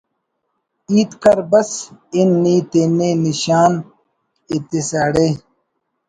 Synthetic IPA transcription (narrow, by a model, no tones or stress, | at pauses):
iːt̪kɐɾbɐsinːiːt̪eneniɕaːn | it̪isaːɽe